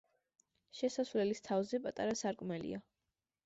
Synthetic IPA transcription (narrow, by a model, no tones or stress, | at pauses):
ʃɛsasvlɛlist̪ʰavzɛpʼat̪ʼaɾasaɾkʼmɛlḭa